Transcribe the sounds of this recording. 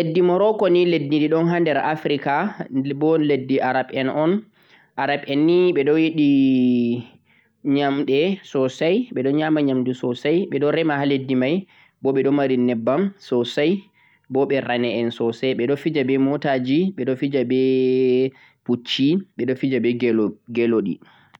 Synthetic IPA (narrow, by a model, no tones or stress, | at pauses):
ledːimɔɾɔkɔniledːidiɗɔnɦandɛɾʔafɾikabɔledːiʔaɾaɓɛnʔɔn | ʔaɾabɛnːiɓɛɗɔjiɗi | ɲamɗɛsɔsajɓɛɗɔɲamaɲamdɛsɔsajɓɛɗɔɾɛmahaledːimaj | bɔɓɛɗɔmaɾinɛbːamsɔsaj | bɔɓɛɾanɛɛnsɔsɛɓɛɗɔfid͡ʒabɛmɔtad͡ʒiɓɛɗɔfid͡ʒabɛ | put͡ʃːiɓɛɗɔfid͡ʒabɛɡɡɛloɗḭ